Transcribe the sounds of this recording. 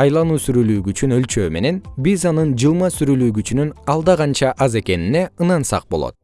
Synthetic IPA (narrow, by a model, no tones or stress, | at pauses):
ɑjlˠɑnuːsyɾylyːɡyːt͡ʃynø̞lt͡ʃøːme̞ne̞nbizɑnɯnd͡ʒɯlˠmɑsyɾylyːɡyt͡ʃynynɑlˠd̪ɑʁɑnt͡ʃɑʔɑze̞ke̞nine̞ɯnɑnsɑ̰q̚bo̞lˠo̰t̪